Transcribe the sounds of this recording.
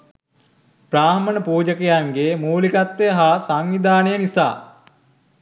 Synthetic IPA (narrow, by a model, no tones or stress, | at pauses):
praːmənəpuːd͡ʒəkejaŋɡemuːlikat̪ːejəɦaːsaŋʋid̪aːnejənisa̰ː